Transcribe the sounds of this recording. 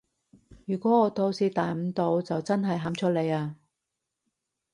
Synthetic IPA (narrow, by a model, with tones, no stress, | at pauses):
jyː˨˩kʷɔː˨˥ŋɔː˨˧t̪o˧wsiː˧t̪aː˨jm̩˧˥t̪o˨˧wt͡sɐ˨wt͡sɐ˥nɦɐ˨jɦaː˨˥mt͡ʃʰɵ˥t̚le˨˧jaː˧